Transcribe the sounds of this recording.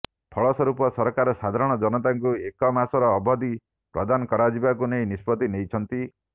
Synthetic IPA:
pʰɔɭɔsɔɾupɔsɔɾɔkaɾɔsad̪ʱaɾɔɽ̃ɔd͡ʒɔnɔt̪aŋkuekɔmasɔɾɔːbɔd̪i | pɾɔd̪anɔkɔɾad͡ʒibak̬unejnispɔt̪inejt͡ʃʰɔnt̪i

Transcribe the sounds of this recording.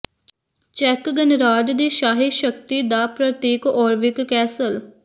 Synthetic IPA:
t͡ʃɛkɡənɾaːɖd̪eːʃaːɦeʃək̚t̪iːd̪aːpɾət̪eːkɔːɾʋɪkːɛːsəl

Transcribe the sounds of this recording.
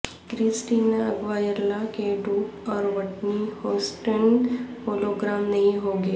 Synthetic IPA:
kɾisʈiːnaəɡʋaːjəɾlakeɖuːʈɔːɾʋəʈnihoːsʈənhoːloːɡɾaːmnɐɦĩɦoːɡeː

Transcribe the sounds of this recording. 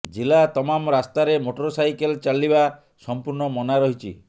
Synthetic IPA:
d͡ʒilat̪ɔmamɾast̪aɾemoʈɔɾɔsajkelt͡ʃaliba | sɔmpuɾɳɔmɔnaɾɔɦit͡ʃʰi

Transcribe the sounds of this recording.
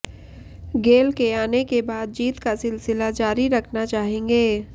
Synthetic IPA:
ɡeːlkeaːnekebaːd̪̚d͡ʒiːt̪kasɪlsɪlad͡ʒaːɾiɾɐkʰnat͡ʃaːɦẽːŋɡeː

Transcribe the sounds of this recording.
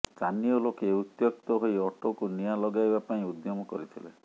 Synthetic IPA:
t͡ʃaniɔlokeut̪jɔk̚t̪ɔɦojɔʈokunijalɔɡajbapaĩud̪jɔmɔkɔ̰ɾit̪ʰilḛ

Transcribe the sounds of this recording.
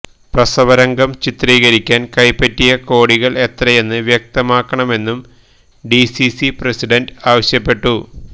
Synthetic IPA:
prɐsɐʋɐɾɐŋɡɐmt͡ɕit̪riːɣɐɾikʲːaːnkɐjpːɐtːijɐko̞ːɽiɣɐɭe̞t̪rɐje̞nːɨʋjɐk̚t̪ɐmaːkːɐɳɐme̞nːum | ɖisisipresiɖɐnɖaːʋɐɕjɐpːe̞ʈːu

